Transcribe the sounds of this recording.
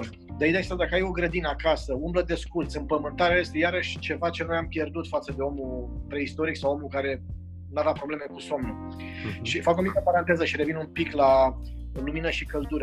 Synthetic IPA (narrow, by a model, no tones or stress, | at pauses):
d̪eijd̪est̪ad̪akəajo̞ɡɾəd̪inəakasəumbləd̪e̞skurt̪sɨmpəmɨnt̪aɾeajest̪e̞jaɾəʃʲt͡ʃe̞vat͡ʃe̞nojampje̞rd̪ut̪fat̪səd̪e̞o̞mupɾe̞ist̪o̞ɾiksawo̞mukaɾe̞ | navapɾo̞ble̞me̞kuso̞mnu | ʃifakomik̪əpaɾant̪e̞zəʃiɾe̞vinumpikla | luminəʃikəld̪uɾə